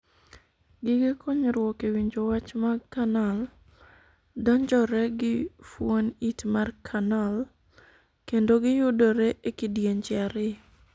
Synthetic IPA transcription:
ɡɪɡɪkʰoɲɾwɔkewiɲd͡ʒowat͡ʃmakanal | dɔɲd͡ʒɔɾɛɡɪfwonitmarkʰanal | kendoɡɪjʊdɔɾɛʔekɪdjeɲt͡ʃɛɾɪ

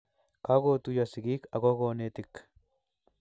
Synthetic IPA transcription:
kaɡoːt̪ʊjɐsɪɡiːkɐɡɔɡoːnet̪ɪkː

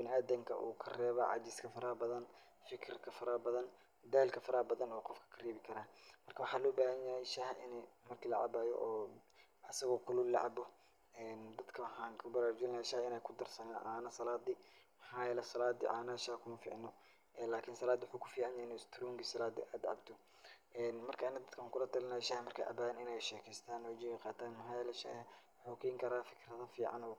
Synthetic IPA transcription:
b̥ɪnɪaːd̪ɐŋkʰɐ̰ʔṵːkʰɐrɛːβɐʕɑ̰d͡ʒɪskʰɐfɐɾɐbɐðɐn | fɪkʰɪrkʰɐfɐɾɐbɐðɐn | d̪aːlkʰɐfɐɾɐbɐðɐnɔːqɔfkʰɐ̥kʰɐrɛːβɪkʰɐɾaːmɐrkʰɐwɑħaːlɔːbaːhɐɲjɐhɛʃaːhʔɪnɛmɐrkʰiːlɐʕɑ̰baːjɔ̰ʔɔː | ɐsɐɣɔːkʰʊlʊlɑ̰ʕɑbɔ | ɛːnd̪ɐd̪kʰɐħaːŋkʰʊbɐɾaːɾʊd͡ʒɪlɐʃaːhɪnɛːjkʰʊd̪ɐrsɐnaʔaːnɐsɐlaːd̪ɪmɐħaːjɛlɛsɐlaːd̪ḭʔa̰ːnɐʃaːhkʰʊmɐfḭːʕnɔ | ɛːlaːkʰɪnsɐlaːd̪wʊħuːkʰʊ̥fiːʕɑnjɛnɛst̪ʰɾɔːŋɡisɐlaːd̪ḭʔaːd̪ʕɑ̰bt̪ʰɔ | ʔɛːnmɐrkʰɐɪnɐd̪ɐd̪kʰaːŋkʰʊlɐt̪ʰɐlɪnaːjʃɐhmɐrkʰa̰ʔɐ̰baːnɪnɛjʃɛːkʰɛːst̪ʰaːnɔːd͡ʒɪjqɑːt̪ʰaːnmɐɦaːjɛlʃɐ̰ | ħukʰɛŋkʰɐɾaːfɪ̥kʰɾɐðɐfiːʕɑ̰nɔː

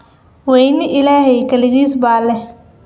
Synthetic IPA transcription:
wɛjnɪʔɪlaːhɛjkɐlɪɣiːsbaːlɛ

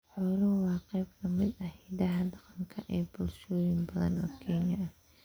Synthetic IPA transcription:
ħɔːlʊwɑːqɛjb̚kʰɐmɪd̪ɐhɛd̪ɐɦɐd̪ɑqɑŋkʰɐʔɛːbʊlʃɔːjɪnbɐðɐ̰nɔːkʰɛnjɐɐ

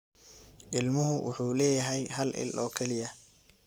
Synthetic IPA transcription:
ʔɪlmʊɦʊwʔʊ̰ħuːlɛːjɐɦɛjhɐlʔɪ̰lʔɔːkʰɛlɪjɐ

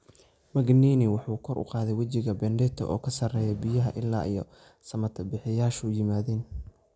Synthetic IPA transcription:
mɐɡniːnɪwɑħuːkʰɔɾʔʊ̰qɑːðɛjwɐt͡ʃɪɣɐbɛnɖɛt̪ʰɔ̰ʔɔːkʰɐsɐrɛːjɛbɪjɐɦɐʔɪlːa̰ːʔḭjɔ̰ | sɐmɐt̪ʰɐbɪħɪjaːʃujɪmaːðɛːn

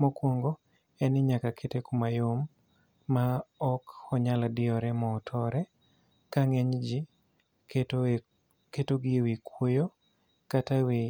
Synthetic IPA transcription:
mɔkwoŋɡo | ɛnɪɲakakʰetekumajomː | aɔkɔɲaladɪɔɾɛmɔːtʰɔɾɛ | kaŋeɲd͡ʒi | ketoɡɪwikwojo | katawe

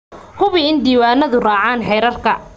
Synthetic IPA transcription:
hʊβɪɪnd̪iːwaːnɐðʊrɑːʕaːnħɛjɾɐrkʰɐ

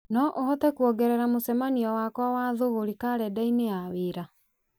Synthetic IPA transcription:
nɔʔohɔtɛkuɔɡɛɾɛɾamosɛmaniɔwakwawaðoɣoɾikaɾɛdaineaweːɾa

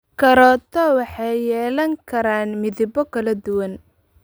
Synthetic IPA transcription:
kʰɐɾɔːt̪ʰɔwɑħɑjjɛːlɐŋkʰɐɾaːnmɪðɪbɔkʰɐlɐd̪ʊwɐn

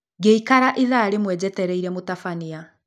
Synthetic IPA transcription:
ɡeikaɾaʔiðaɾemwɛd͡ʑɛtɛɾɛiɾɛmotafania

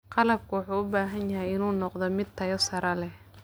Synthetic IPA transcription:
qɑlɐb̚kʰʊwɑħuːʊbaːɦɐnjɐɦɛjɪnuːnɔqd̪ɔmɪd̪̚t̪ʰɐjɔsɐɾɐlɛh

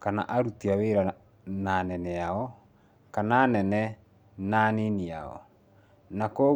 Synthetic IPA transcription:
kana̰ʔaɾutiaweɾa | nanɛnɛaɔ | kanaːnɛnɛ | nanenia̰ɔ̰ | nakɔ

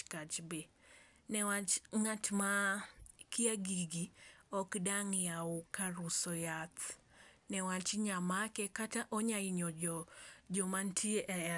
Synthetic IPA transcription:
kat͡ʃbe | nɛwat͡ʃŋatma | kiaɡiɡiɔkdaŋjaʊkaɾusɔjat̪nɛwat͡ʃɲamakɛkataʔɔɲaiɲɔd͡ʒɔd͡ʒɔmantʰieʔɛ

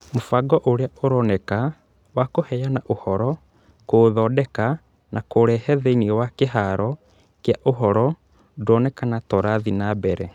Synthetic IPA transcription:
mofaɡɔʔoɾeaoɾɔnɛka | wakohɛjanaʔohɔɾɔ | koðɔdɛka | nʔakoɾɛhɛðeiniɛwakeɦaɾɔ | kjaʔoɦɔɾɔ | dɔnɛkanatɔɾaðinabɛɾɛ

